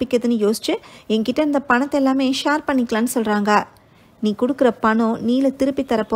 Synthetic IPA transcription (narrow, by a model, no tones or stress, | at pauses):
pɪkːɐðɯnːɯjoːsɪ̥t͡ʃːɯɛŋkɪʈːɐɪnd̪ɐpɐɳɐt̪ːɛlːaːmeːʃaːɾpɐɳːɪkːlãːnːɯsɔlɾaːŋɡaː | niːkɔɽɯkːɪɾɐpɐɳõːniːlɯt̪ɪɾɯpːit̪ːɐɾɐpːoː